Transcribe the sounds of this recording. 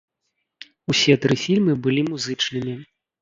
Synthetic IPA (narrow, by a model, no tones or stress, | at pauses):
usʲɛt̪ɾɨfʲilʲmɨbɨlʲimuzɨt͡ʂnɨmʲi